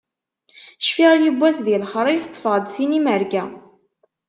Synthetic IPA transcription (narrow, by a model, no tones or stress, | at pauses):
ʃfiʁajibːæsðilχɾˤift̪ˤːfəʁd̪siniməɾɡæ